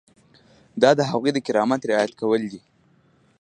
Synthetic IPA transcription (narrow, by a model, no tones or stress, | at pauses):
d̪ɑd̪əɦaɣwijd̪əkɪɾɑmat̪ɾɪɑjat̪kawəld̪i